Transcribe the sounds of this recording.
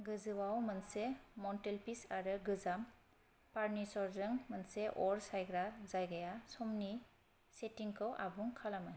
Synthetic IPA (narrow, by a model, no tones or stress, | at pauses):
ɡɯzɯwawmansemɔntelpisaɾɯɡɯzam | paɾnisɔɾzɯŋmanseʔɔɾsajɡɾazajɡajasɔmni | setiŋkʰɔwʔa̰buŋkʰalamɯ